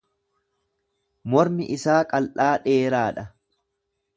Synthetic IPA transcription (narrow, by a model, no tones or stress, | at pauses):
mɔɾmɪʔɪsaːkʼɐlʔaːᶑe̞ːɾaːᶑɐ